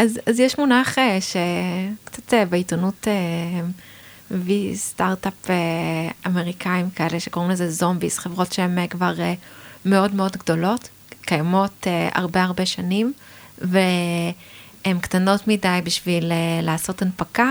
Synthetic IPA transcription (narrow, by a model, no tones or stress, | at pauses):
ʔazazjɛʃmunaχeʃekt͡satebeitonute | vistaʁtapeame̞ʁikʰaimkʰae̞leʃeko̞ʁimlezezombisχevʁo̞tʃeemkvaʁeme̞o̞dmeo̞dɡdo̞lo̞t | kajamo̞tea̰ʁbeaʁbe̞ʃanim | ve | emktano̞tmidajbiʃvilelaːso̞tanpaka